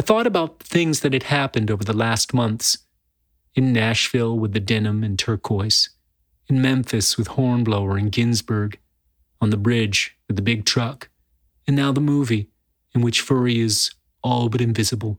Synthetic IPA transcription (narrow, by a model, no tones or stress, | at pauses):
aɪθɔɾɨbaʊt̪̚θɪ̃ŋzðɨt̚hɨd̚hæpɨ̃ndoʊvə˞ðəlæst̚mʌ̃nθs | ɨ̃nːæʃfɪlˠwəðɨdɛnɨ̃mɨ̃ntʰɜ˞kʰɔɪs | ɨ̃nmɛ̃ɱfɨswɨð̥hɔɹnbloʊə˞ɨ̃nɡɪ̃nzbə˞ɡ | ənðəbɹɪd͡ʒwɨðɨbɪɡ̚tʰɹ̥ʌk | ɨ̃nːaʊðəmuvi | ɨ̃nwɨt͡ʃfɜ˞iɪz | ɔlˠbʌɾɨ̃ɱvɪzɨbl̩ˠ